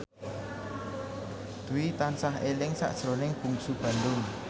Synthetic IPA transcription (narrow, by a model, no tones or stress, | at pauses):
d̪̥uwit̪ansaɦelɪŋsa̰ʔd̥ʒ̥əɾonɪŋb̥ṳŋsub̥a̤nd̪ʊn